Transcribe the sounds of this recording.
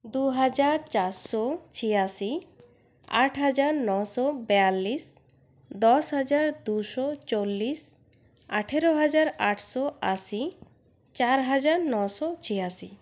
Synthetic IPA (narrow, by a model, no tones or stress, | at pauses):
d̪uɦad͡ʒaɾt͡ʃaɾsɔt͡ʃʰijasi | a̰ʈʰɦad͡ʒaɾnɔsɔbɛalːis | d̪ɔsɦad͡ʒaɾd̪usɔt͡ʃolːis | aʈʰeɾoɦad͡ʒaɾaʈʰsɔasi | t͡ʃaɾɦad͡ʒaɾnɔsɔt͡ʃʰijasi